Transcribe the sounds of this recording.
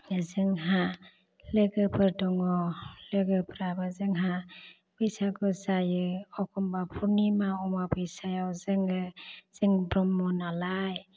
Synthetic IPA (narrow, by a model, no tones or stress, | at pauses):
zɯŋɦa | lɯɡɯpɯɾdɔŋɔlɯɡɯpʰɾabɯzɯŋɦa | b̥ɯjsaɡɯzajɯɔkʰɔmbapʰuɾnimaɔmabɯjsajawzɯŋɯz̥ɯŋbɾɔmːɔnalaj